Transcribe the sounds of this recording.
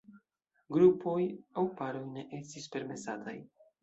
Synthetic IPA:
ɡɾupo̞jawpaɾojne̞ʔe̞stispe̞ɾme̞sataj

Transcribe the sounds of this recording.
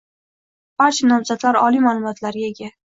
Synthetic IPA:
b̥aɾt͡ʃʰanɒmzad̪laɾɒlimalˠʊmɒt̪laɾɡʲaeɡʲa

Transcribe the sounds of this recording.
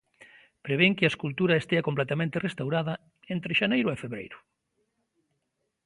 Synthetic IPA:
pɾeβ̞eŋkɪaeskult̪uɾɐest̪eakomplɛt̪amẽnt̪erest̪awɾaðɐ | ent̪ɾeʃanejɾʊefeβɾḛjɾʊ

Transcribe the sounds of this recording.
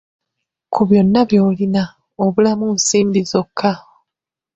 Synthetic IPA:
kʰuβjo̞nːaβjo̞ːlina | oβulamunsiːmbizo̞kʰːa

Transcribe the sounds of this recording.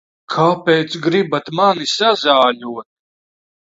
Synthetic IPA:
kʰaːpejt̪sɡɾibat̪manisazaːʎuɔt̪̚

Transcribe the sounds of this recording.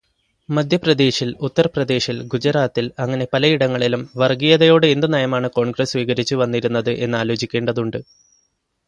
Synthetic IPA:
mɐd̪ʱjɐprɐd̪e̞ːɕilut̪ːɐrɐprɐd̪e̞ːɕilɡud͡ʑɐɾaːt̪ːilɐŋːɐne̞pɐlɐiɽɐŋːɐɭilumʋɐrɡijɐðɐjo̞ːɽɨend̪ɨnɐjɐmaːɳɨko̞ːɳɡrɐsʋiːɣɐɾit͡ɕːuʋɐnːiɾunːɐðɨʔe̞nːaːlo̞ːt͡ɕikʲːe̞ːɳɖɐðuɳɖɨ

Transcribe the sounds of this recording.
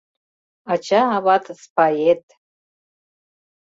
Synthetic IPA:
at͡ʃʰaːβat̪ʰspʰajet̪ʼ

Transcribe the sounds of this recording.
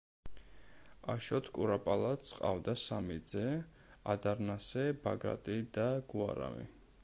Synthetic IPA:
aʃɔt̪ʰkʼuɾapʼalˠat̪sqʼa̰vd̪asamid̪zɛ | ad̪aɾnasɛbaɡɾa̰t̪ʼid̪̥aɡ̥uaɾa̰mḭ

